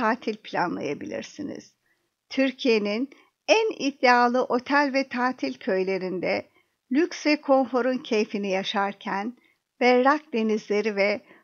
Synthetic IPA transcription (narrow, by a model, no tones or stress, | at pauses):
aːt̪ʰilʲpʰlʲa̰nlˠa̰jabilʲḭɾsinḭz̥ | t̪ʰyɾcʰije̞nin | ænid̪ːɛaːlˠɯʔo̞t̪ʰælʲvɛt̪ʰaːt̪ʰilʲcʰø̞jlʲe̞ɾind̪ɛ | lʲycsvɛkʰo̞nfo̞ɾuncʰe̞jfinijaʃaɾcʰæn | b̥ɛɾɾak̚d̪e̞nizlʲe̞ɾivɛ